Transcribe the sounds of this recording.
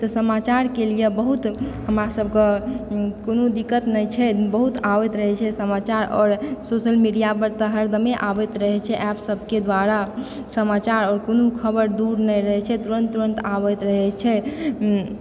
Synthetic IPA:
t̪ɔsəmat͡ʃaɾkelijebəɦut̪həmɾasəb̚ʱke | konod̪ikːət̪nɛjt͡ʃʰɛbəɦut̪abɛt̪ɾəɦɛt͡ʃʰɛsəmat͡ʃaɾɔ̰ːɾsosəlmiɖijapəɾt̪əɦəɾd̪əmeʔabɛt̪ɾəɦɛt͡ʃʰɛʔapsəbʱked̪waɾa | səmat͡ʃaɾɔːɾkonukʰəbəɾd̪uɾnɛjɾəɦɛt͡ʃʰɛt̪uɾənt̪ːuɾənt̪abɛt̪ɾəɦɛt͡ʃʰɛ

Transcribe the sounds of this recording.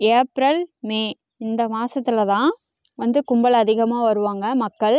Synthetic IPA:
eːpɾɐlmeː | ɪnd̪ɐmaːsɐt̪ːɪlɐt̪ãː | ʋɐnd̪ɯkʊmbɐlɐːðɪɣɐmaːʋɐɾɯʋaːŋɡɐmɐkːɐɭ

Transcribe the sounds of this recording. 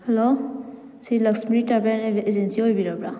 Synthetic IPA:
helo | silaksmɾitabeneezensiɦojbiɾabɾa

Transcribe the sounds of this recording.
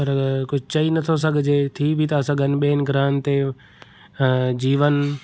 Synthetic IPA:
pɐɾɐɡəɾkʊd͡ʒʱt͡ʃɐinɐt̪ʰos̬ɐɡʱd͡ʒeːt̪ʰibʱit̪ɐːsɐ̃ɡənɓeːnɡɾãːnt̪e | d͡ʒiːʋən

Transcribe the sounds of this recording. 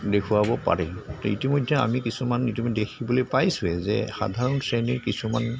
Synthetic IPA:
dekʰuwabɔpa̰ɹɛtɔitimɔjdʱːɛa̰mikisumanitimɔdʱdekʰibɔlojpajsʊɛzɛ̰xa̰dʱaɹɔnsɹeniɹkisuman

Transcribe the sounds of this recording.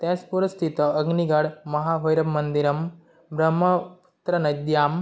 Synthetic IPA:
t̪ɛːspuɾɐst̪ʰit̪ɐɐɡniɡɐɽmɐɦaːʋɐjɾɐmmːɐnd̪iɾɐm | bɾɐmːɐput̪ɾɐnɐd̪jaːm

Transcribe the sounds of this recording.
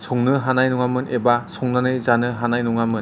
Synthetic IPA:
sʰɔŋnɯɦanajnuŋamɯnebasʰɔŋnanɯjzanɯɦanajnuŋamɯn

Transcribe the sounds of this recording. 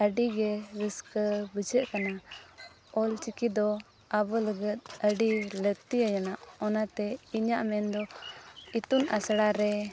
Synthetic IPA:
əɖiɡɛɾəskəbəd͡ʒəʔkana | ɔlt͡ʃikid̪ɔ | abɔləɡət̪̚əɖiləɡ̚t̪iajanaʔɔnat̪ɛiɲaʔmɛnd̪ɔ | it̪unasɽaɾɛ

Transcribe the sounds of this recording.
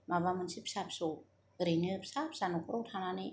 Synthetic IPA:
mawamɯnsip̚sap̚su | ɾinɯpsap̚sanukɾut̪ʰanani

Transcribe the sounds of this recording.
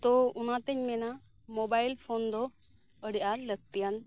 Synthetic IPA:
t̪ɔʊnat̪əɲmɛna | mɔbajlpʰond̪ɔ | əɽiʔaləɡ̚t̪ijan

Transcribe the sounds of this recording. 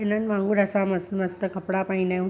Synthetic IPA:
enənʋãŋɡuɾəsaməsməst̪əkəpɽapainau

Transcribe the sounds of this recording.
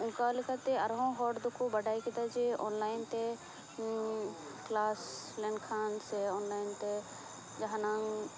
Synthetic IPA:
ʊ̃ŋkaːlɪkat̪eɐɾɦõɦɔːɖd̪ʊkʰubɐɖaːikid̪ad͡ʒeo̰ːnlaːɪnt̪e | klaːs | leɳkʰaːnseɔːnlaːɪnt̪e | d͡ʒɐɦanaːŋ

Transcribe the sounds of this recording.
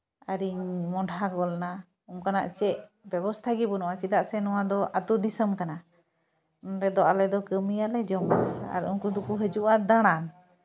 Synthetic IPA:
aɾiɲmɔɖʱaɡɔlna | umkana̰ʔt͡ʃɛʔbɛbɔst̪ʰaɡibɔnɔwat͡ʃid̪aʔsɛnɔwad̪ɔʔat̪ud̪isəmkana | ɾɛd̪ɔʔalɛd̪ɔkəmijalɛd͡ʒɔmaa̰ɾṵnkud̪ukuɦəd͡ʒuʔad̪aɽ̃an

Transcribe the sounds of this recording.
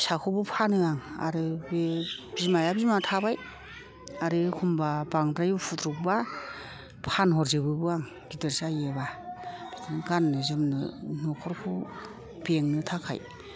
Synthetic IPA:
sakʰɔbɯpʰanɯaŋa̰ɾɯbeb̥izmajabizmatʰabaj | aɾɯkʰumbabaŋdɾajupʰutɾuk̚ba | pʰanɦɔɾzɯbɯbɯaŋ | ɡ̥idɯɾsajebaditʰɯnɯɡanːɯzɯmnɯ̰nɔkʰɔɾkʰu | b̥eŋnɯtʰakʰa̰j

